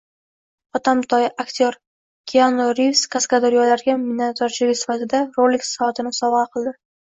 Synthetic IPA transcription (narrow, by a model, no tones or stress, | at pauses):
ɒt̪ʰamt̪ʰɒjʔakt̪ʰoɾ | kʲʰianoɾivskʰaskad̪ɒɾjɒlaɾɡʲamɪnat̪ʰɒɾt͡ʃʰɪlɪkʲsɪ̥fat̪ʰɪd̪aɾolɪkʲsat̪ʰɪnɪsɒvɑqʰɨlˠd̪ɪ